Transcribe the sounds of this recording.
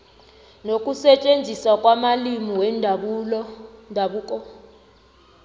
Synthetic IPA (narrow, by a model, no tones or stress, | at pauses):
nokʼusɛt͡ʃʼend͡zʱisakʼwamalimiwɛndʱɓulɔndʱaɓuːkʼɔ